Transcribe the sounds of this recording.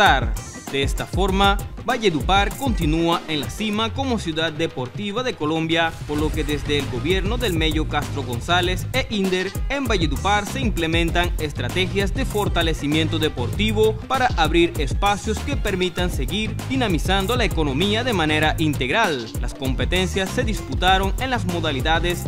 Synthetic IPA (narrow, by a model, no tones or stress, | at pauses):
aɾ | d̪eest̪afo̞ɾmabaʝeðupaɾko̞nt̪inuaʔʔe̞nlasimako̞mo̞sjuðad̪̚ːe̞po̞ɾt̪iβaðe̞ko̞lõ̞mbjapoɾlo̞ke̞ðe̞zd̪eːlɡo̞βje̞ɾno̞ðe̞lme̞ʝo̞kast̪ɾo̞ɣo̞nsale̞seʔind̪eɾe̞mbaʝeðupaɾse̞imple̞mẽ̞nt̪aŋe̞st̪ɾat̪e̞xjazd̪e̞fo̞ɾt̪ale̞simjent̪o̞ðe̞po̞ɾt̪iβo̞paɾaʔaβɾiɾe̞spasjo̞ske̞pe̞ɾmit̪anseɣiɾd̪inamisand̪o̞laeko̞nõ̞miaðe̞mãne̞ɾaʔint̪e̞ɣɾal | lasko̞mpe̞t̪e̞nsjasːe̞ðisput̪aɾo̞ŋe̞nlasmo̞ðaliðaðes